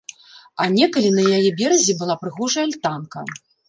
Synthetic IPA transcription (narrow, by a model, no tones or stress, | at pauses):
ɐnʲɛkɐlʲinɐjajɛbʲɛɾɐzʲibɨlˠapɾɨɣɔʐɐjɐlʲt̪ankɐ̰